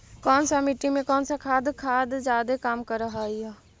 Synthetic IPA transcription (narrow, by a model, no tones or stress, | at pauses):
kɔːnsamiʈimẽkɔːnsakʰaːd̪kʰaːd̪d͡ʒaːd̪ekaːmkəɾəɦaia